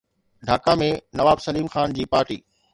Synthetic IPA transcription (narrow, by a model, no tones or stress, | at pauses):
ɖʱaːkamẽnɐʋaːbsɐliːmxaːnd͡ʑiːpaːɾʈḭː